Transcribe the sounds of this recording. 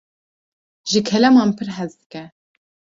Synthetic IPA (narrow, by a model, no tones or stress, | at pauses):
ʒɨkʰɛlɛmɑːnpʰɨɾɦɛzd̪ɨkɛ